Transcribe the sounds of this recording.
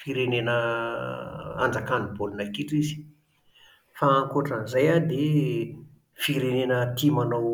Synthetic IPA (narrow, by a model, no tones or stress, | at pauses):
fiɾenenə | a̰nd͡zakanibolunakiʈ͡ʂizi̥ | faːŋkoʈ͡ʂənzajad̪e | fiɾenenət̪imanaw